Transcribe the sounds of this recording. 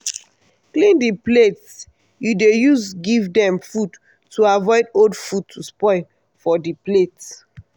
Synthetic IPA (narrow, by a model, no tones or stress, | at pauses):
klĩndiplets | judejusɡivdɛ̃mfud | tːuavɔɪdodfud̚tʰuspɔɪ | fɔdiplet